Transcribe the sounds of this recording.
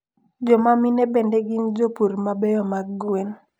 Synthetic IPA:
d͡ʒɔmaminebendeɡind͡ʒopuɾmabɛjɔmaɡwen

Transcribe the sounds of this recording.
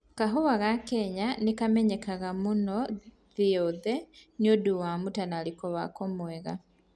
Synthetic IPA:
kaɦoβaɣakeɲanikameɲekaɣamuno | ðioðenioduwamutanalikoβa̰komweɣa

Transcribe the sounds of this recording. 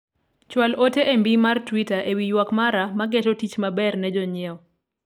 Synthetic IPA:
t͡ʃwaloteʔembimartwitaʔewijwakmaɾamaɡɛtɔtit͡ʃmabɛrnɛd͡ʒɔɲɪɛɔ

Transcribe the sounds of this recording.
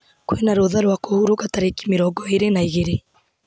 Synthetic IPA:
kwenaɾoðaɾwakohuɾokataɾeki̥meɾɔːɡɔeɾenaiɣeɾe

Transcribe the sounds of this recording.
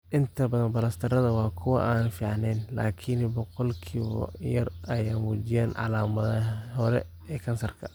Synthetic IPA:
ʔɪnt̪ʰɐbɐðɐnbɐlɐst̪ʰɐɾɐðɐwɑːkʰʊwɑ̰ʔaːnfiːʕɑnɛːnla̰ːkʰɪnbɔqɔlkʰiːwɔ̰jɐrɐjaːmuːd͡ʒɪjaːnʕɑ̰laːmɐðɐɦɔɾɛ̰ | ɛːkʰɐnsɐrkʰɐ̥

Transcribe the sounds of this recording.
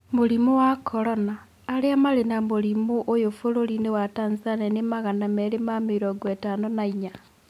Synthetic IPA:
moɾimowakʰoɾonaː | ɾeamaɾenamoɾimuʔojofoɾoɾinewataːnzisanenemaɣanameɾemamiɾoɡwetanonaiɲa

